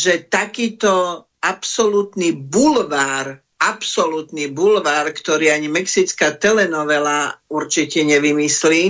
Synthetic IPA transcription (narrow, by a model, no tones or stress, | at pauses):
ʒɛt̪akiːt̪ɔ | apsɔlut̪nibulʋaːɾ | apsɔlut̪nibulʋaːɾkt̪ɔɾiːaɲimɛksit͡skat̪ɛlɛnɔʋɛlauɾt͡ʃicɛɲɛʋimisliː